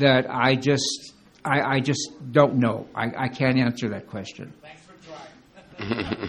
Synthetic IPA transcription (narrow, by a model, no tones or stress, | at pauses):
ðɨɾa̰ɪd͡ʒʌst | ʔaɪʔaɪd͡ʒʌsd̥õʊ̃nːoʊʔa̰ɪʔa̰ɪkʰæ̃ntæ̃nsə˞ðɨt̚kʰw̥ɛst͡ʃɨ̰̃n